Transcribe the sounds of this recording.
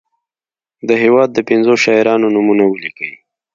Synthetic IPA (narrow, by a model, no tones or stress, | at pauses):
d̪əɦewɑd̪ːəpɪnzoʃɑɪɾɑnonumunawəlikawi